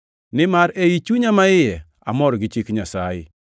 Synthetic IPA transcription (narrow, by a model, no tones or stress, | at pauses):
nɪmaɾeit͡ʃuɲamaɪjɛ | amɔɾɔɡɪt͡ʃɪkɲasajɪ̰